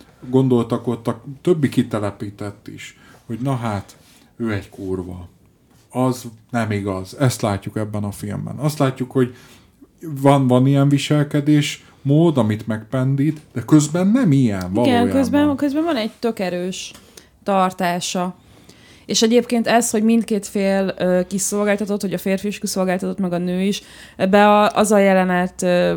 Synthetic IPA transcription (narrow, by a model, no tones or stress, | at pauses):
ɡo̞nd̪o̞lt̪ɒko̞t̪ːɒt̪øbːikit̪ɛlɛpiːt̪ɛt̪ːḭʃho̞ɟnɒɦaːt̪ | øːɛɟkuːrvɒ̰ | ɒznɛmiɡɒzɛst̪laːcːukɛbːɛnɒfilmbɛ̰nɒst̪laːcːukho̞ɟ | vɒnvɒnijɛɱviʃɛlkɛd̪eːʃ | moːd̪ɒmit̪mɛkpɛnd̪iːt̪d̪̥ɛkøzbɛnːɛmijɛ̰nviɒlɡɛnjkøzbɛkøzbɛɱvɒnɛɟt̪ø̞kɛɾøːʃ | t̪ɒrt̪aːʃɒ | eːʃɛɟeːpkeːnt̪ɛsho̞ɟmint̪keːt̪feːløːkiso̞lɡaːlt̪ɒt̪o̞t̪ːʋɒɟɒfeːrfiːʃkiso̞lɡaːlt̪ɒt̪o̞t̪mɛɡɒnøːiʃ | ɛbɛɒʔɒzɒjɛlɛnɛt̪ː